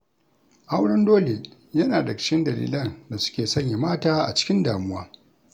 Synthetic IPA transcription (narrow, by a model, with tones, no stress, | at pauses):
ʔa˦wɽɔ˦ndoː˦le˨ | jɐ˦naː˨dɐ˨kkɪ˦ndɐ˨lḭː˦lɐ˦˨nda˨sʊ̥˦kʲeː˨sɐ˦˨ɲja˨maː˦taː˦ʔa̰˨t͡ʃɪ̥˦kʲɪ˦ndaː˨mʊ˦waː˦